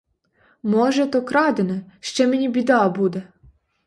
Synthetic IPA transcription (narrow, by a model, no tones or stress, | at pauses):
mɔʒɛt̪ɔkɾɑd̪enɛʃt͡ʃɛmenʲibʲid̪ɑbud̪ɛ